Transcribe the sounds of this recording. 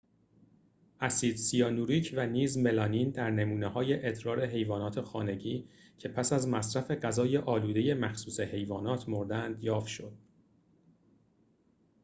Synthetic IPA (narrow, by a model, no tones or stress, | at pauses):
ʔæsiːd̪sijɒːnuːɾiːcʰvæniːzme̞lɒːnind̪æɾne̞muːnehɒːje̞ʔet̪ɾɒːɾe̞ɦe̞jvɒːnɒːt̪ʰe̞xɒːne̞ɟiːcʰe̞pʰæsæzmæsɾæfe̞ɢæzɒːje̞ʔɒːluːd̪e̞je̞mæxsuːse̞he̞jvɒːnɒːt̪ʰmoɾd̪ænd̪jɒːfʃo̞d̪̥